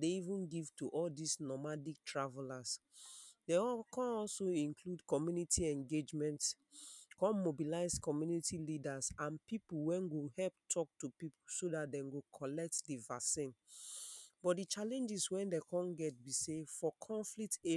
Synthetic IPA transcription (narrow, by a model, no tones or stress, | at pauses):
deivũnɡiv̥tuʔɔldisnɔmadik̚tɹavɛlas | dekʰãnɔlsoĩnkʰludkɔmjunitʰiɛ̃ŋɡed͡ʒmɛ̃nts | kɔ̃nmobilaɪskɔmjunitilidasãnpipuwɛ̃nɡohɛlp̚tʰɔk̚tupipusodat̚dɛ̃nɡokʰɔlɛk̚tdivasĩn | b̥ɔtdit͡ʃalɛ̃nd͡ʒiswɛ̃ndekʰɔ̃nɡɛt̚bisefɔkʰɔ̃ɱflikte